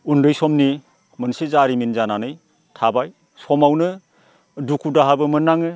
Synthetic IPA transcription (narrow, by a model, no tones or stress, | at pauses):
undɯjsɔmni | mɯnsezaɾiminzananɯj | tʰabaj | sɔmawnɯ | dukʰudaɦabɯmɯnːaŋɯ